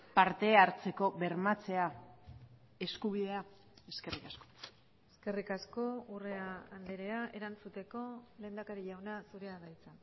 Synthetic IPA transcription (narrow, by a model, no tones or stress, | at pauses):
paɾt̪e̞aɾt͡se̞ko̞βe̞ɾmat͡se̞a | e̞skuβiðe̞a | e̞ske̞rikasko̥ | eske̞rikasko̞ure̞aːnd̪eɾe̞aʔe̞ɾansut̪e̞ko̞le̞ːnd̪akaɾiʎawnasuɾe̞aðajt͡sa